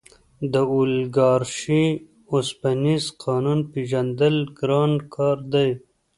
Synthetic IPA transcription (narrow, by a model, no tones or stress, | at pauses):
d̪əulɡɑːɾʃi | ospanizqʰɑːnunpiʒand̪əlɡɾɑːnkʰɑːɾd̪aj